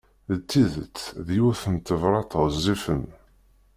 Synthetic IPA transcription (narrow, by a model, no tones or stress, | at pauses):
t͡s̪ːiðət͡sːðjuθənt̪əvɾˤɑt̪ʁəzːifən